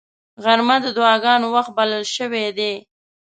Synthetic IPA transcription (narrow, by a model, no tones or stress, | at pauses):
ɣaɾmad̪əd̪ʊɑɡɑnowaxt̪̚baləlʃəwed̪e